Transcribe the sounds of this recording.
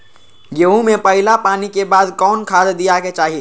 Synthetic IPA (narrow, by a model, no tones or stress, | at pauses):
ɡeːũmẽpəɦɪlapaːnikebaːd̪kɔːnkʰaːd̪d̪ijaket͡ʃaːɦi